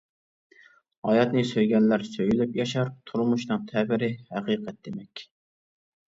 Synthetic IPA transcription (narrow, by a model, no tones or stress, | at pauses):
hɑ̰jɑt̪nɪsøjɡʲɛnlæɾsøjylypjɑʃɑɾt̪ʰuɾmuʃnɨŋt̪ʰɛvɪɾɪhæqiːqʰɛt̪̚d̪emɛkʲ